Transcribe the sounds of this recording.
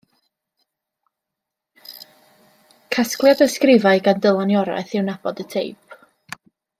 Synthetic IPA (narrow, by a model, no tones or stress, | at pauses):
kʰasklˠjadəskrɪvaɨɡandəlˠanjɔɾa̰ɨθɪwnab̥ɔdətʰejp̚ʰ